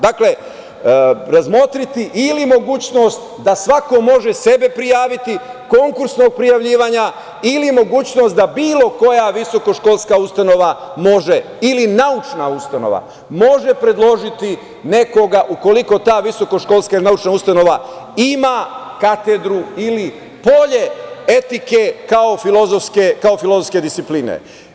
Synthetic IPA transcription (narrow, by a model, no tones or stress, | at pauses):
d̪akle̞ | ɾazmo̞t̪ɾit̪iʔilimo̞ɡuːt͡ɕno̞st̪ | d̪asʋako̞mo̞ʒe̞se̞be̞pɾijaːʋit̪iko̞ŋkuɾsno̞ɡ̚pɾijaʋʎiːʋaɲa | ilimo̞ɡuːt͡ɕno̞st̪d̪abiːlˠo̞ko̞jaʋiso̞ko̞ʃkolˠskaust̪ano̞ʋamo̞ʒe̞ | ilinaut͡ʃnaust̪ano̞̰ʋa̰ | mo̞ʒe̞pɾe̞d̪lˠo̞ʒit̪i | ne̞ko̞ɡaʔuko̞liko̞t̪aːʋiso̞ko̞ʃko̞lˠskailinaut͡ʃnaust̪ano̞ʋaimakat̪e̞d̪ɾuili | po̞ʎe̞e̞t̪ike̞kao̞filozofskekao̞filo̞zofske̞d̪ist̪ipliːnḛ